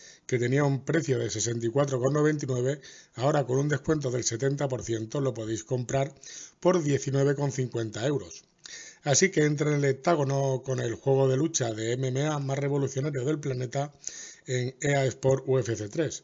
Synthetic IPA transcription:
ke̞t̪e̞niaumpɾe̞θjoðe̞se̞se̞nt̪̬ikwat̪ɾo̞ko̞nːo̞β̞e̞nt̪̬inwe̞βe̞ao̞ɾako̞nund̪e̞skwe̞nt̪oðe̞lse̞t̪e̞nt̪apo̞ɾθje̞nt̪o̞lo̞po̞ðe̞jsko̞mpɾaɾpo̞ɾðje̞θinwe̞β̞e̞ko̞n̟θiŋkwe̞nt̪ae̞wɾo̞s | asike̞ent̪ɾanele̞t̪aɣ̞o̞noko̞ne̞lxwe̞ɣ̞o̞ðe̞lut͡ʃaðe̞ememeamasre̞β̞o̞luθjo̞naɾjo̞ðe̞lplane̞t̪aeŋe̞aespoɾue̞feθe̞t̪ɾe̞s

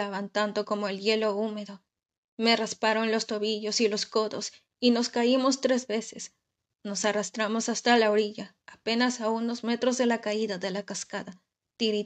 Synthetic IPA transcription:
aβant̪and̪o̞ko̞mo̞elʝe̞lo̞ume̞ðo̞ | me̞raspaɾo̞nlo̞st̪o̞βiʝo̞silo̞sko̞ðo̞s | ino̞skaimo̞st̪ɾe̞zβe̞se̞s | no̞sarast̪ɾamo̞sast̪alaoɾiʝaːpe̞nasauno̞zme̞t̪ɾo̞zðe̞lakaiðaðe̞lakaskaða | t̪iɾi

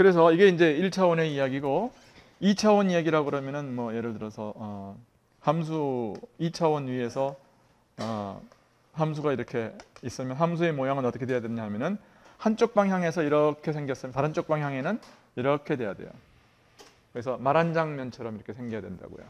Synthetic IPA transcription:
kɯɾe̞s̬ʰʌiɡe̞ind͡ʑe̞iɭt͡ɕʰawʌne̞ijaɡiɡo | it͡ɕʰawʌnijaɡiɾaɡoɾamjʌnɯnmwʌje̞ɾɯɭtɯɾʌsʰʌʌ | hams̬ʰuit͡ɕʰawʌnɥie̞sʰʌ | ʌ | ɦams̬ʰuɡaiɾʌkʰe̞is͈ɯmjʌnɦamsʰue̞mojaŋɯnʌt͈ʌkʰedejadweɲaɦamjʌnɯn | hant͡ɕ͈ok̚p͈aŋɦjaŋe̞sʰʌiɾʌkʰe̞sʰe̞ŋɡjʌs͈ɯmjntaɾɯnt͡ɕ͈ok̚p͈aŋɦjaŋe̞nɯn | iɾʌkʰe̞dwe̞jadwe̞̰jo̰ | kɯɾesʰʌmaɾand͡ʑaŋmjʌnt͡ɕʰʌɾʌmiɾʌkʰe̞sʰeŋɡijadwenda̰ɡo̰jo̰

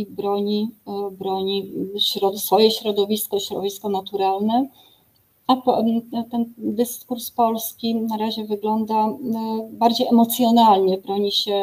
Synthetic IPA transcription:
bɾɔɲibɾɔɲiɕɾɔsfɔjɛɕɾɔd̪ɔvʲiskɔiɕɾɔ̰vʲiskɔnat̪uɾalnɛ | apɔt̪ɛnd̪ɘskuɾspɔlskʲinaɾaʑɛvɘɡlɔnd̪a | baɾd͡ʑejɛmɔt̪sʲjɔnalɲɛbɾɔɲiɕɛ

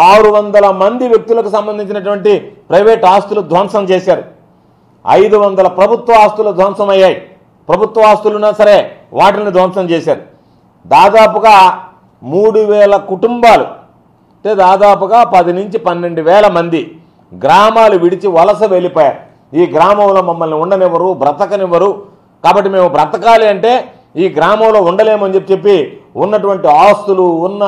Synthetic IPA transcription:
aːɾuʋɐnd̪ɐlɐmɐnd̪iʋjɐk̚t̪ulɐkusɐmbɐnd̪iɲt͡ʃinɐʈ̬uʋɐɳʈipɾɐjʋeːʈaːst̪ulud̪ʱʋɐnʂɐmt͡ʃɛːsaːɾu | ɐ̰jd̪uʋɐnd̪ɐlɐpɾɐbʱut̪ʋɐaːst̪ulud̪ʱʋɐnʂɐmɐjːaːji | pɾɐbʱut̪ʋɐaːst̪ulunaːsɐɾe̞ːʋaːʈɐlnid̪ʱʋɐmʂɐmt͡ʃɛːʃaːɾu | d̪aːd̪aːpuɡaː | muːɽuʋɛːlɐkuʈumbaːlṵ | ʈeːd̪aːd̪aːp̬uɡaːpɐd̪inuɲt͡ʃipɐnːe̞ɳɖuʋɛːlɐmɐnd̪i | ɡɾaːmaːluʋiɽit͡ʃiʋɐlɐsɐʋelipɔːjaːɾ | iːɡɾaːmɐmlo̞ːmɐmːɐlniuɳɖɐnɛʋɐɾubɾɐt̪ɐkɐniʋɐɾu | kaːbɐʈːime̞ːmubɾɐt̪ɐkaːliɐɳʈe̞ː | iːɡɾaːmɐmlo̞ːuɳɖɐle̞ːmuɐnd͡ʒe̞pːit͡ʃepːiunːɐʈuʋɐɳʈiaːst̪uluːnːɐ

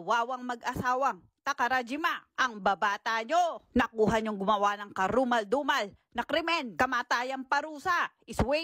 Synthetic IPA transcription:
waːwɐŋmɐɡʔɐsaːwɐŋ | t̪ɐkɐɾad͡ʒɪmaʔɐŋbɐbaːt̪aɲonɐkuːɦɐɲoŋɡʊmɐwanɐŋkɐɾumɐld̪umɐl | nɐkɾɪmɛnkɐmaːt̪aːjɐŋpɐɾuːsaʔɪswɛ

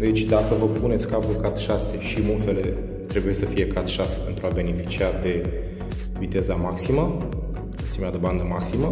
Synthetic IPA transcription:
d̪e̞t͡ʃʲd̪akəvəpune̞t̪sʲkavulkat̪ʃase̞ʃimulfe̞le̞ | t̪ɾe̞buje̞səfije̞kat̪ʃase̞̥pe̞nt̪ɾuabe̞ne̞fi̥t͡ʃiad̪e̞ | vit̪e̞zamaksimə | ot̪ʲimead̪eband̪əmaksimə

